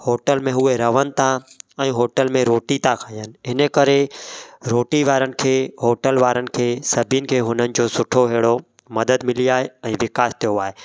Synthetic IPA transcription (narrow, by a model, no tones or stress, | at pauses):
hoːʈəlmẽɦueɾɐʋən̆t̪ʰaɛ̃ːɦoːʈəlmẽɾoːʈit̪akʰãːjənɪ̆ɪnəkɐɾeɾoːʈiʋaːɾənɪ̆kʰeːɦoːʈəlʋaːɾənɪ̆kʰeːsɐbʱinɪ̆kʰeːɦʊnənɪ̆d͡ʑoːsʊʈʰoɦeːɽo | mɐd̪əd̪mɪliaːɦeɛ̃ːʋɪkaːst̪ijoaːɦe